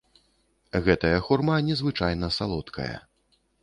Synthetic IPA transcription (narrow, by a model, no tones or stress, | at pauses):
ɣɛt̪ɐjɐxurmanʲɛzvɨt͡ʂajnɐsalˠɔt̪kʰɐ̰jɐ̰